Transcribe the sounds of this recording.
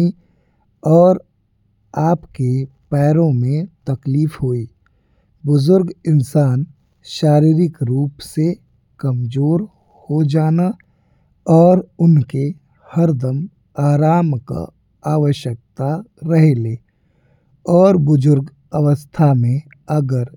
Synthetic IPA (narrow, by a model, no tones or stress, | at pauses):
i | ɔːɾ | aːpkepɛːɾõmẽt̪ɐkliːfɦoːiː | bʊzʊɾɡɪnsaːn | ʃaːɾiːɾɪkɾuːpse | kɐmzoːɾ | hod͡ʒaːna | ɔːɾʊnke | həɾd̪əm | aːɾaːmka̰ | aːʋəʃjək̚t̪aɾəɦeleː | ɔːɾbʊzʊɾɡ | ɐwəst̪ʰamẽ | ɐɡəɾ